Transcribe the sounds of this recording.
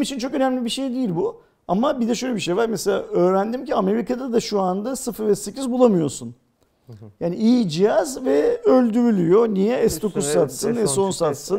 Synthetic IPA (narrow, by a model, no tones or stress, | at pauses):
mit͡ʃʰint͡ʃʰo̞kø̞næmlʲibiʃe̞jd̪ijilʲbu | amabid̪ɛʃøjlʲɛbiʃe̞jvaɾmese̞lʲa̰ːø̞ːɾænd̪imciame̞ɾikad̪ad̪aʃuand̪asɯfɯɾɛsːe̞cizbulˠamɯjo̞sun | jaːniijd͡ʒijazvɛølʲd̪yɾylʲyjo̞nijɛɛsd̪o̞kuzsat̪sɯnɛso̞nsat̪sɯn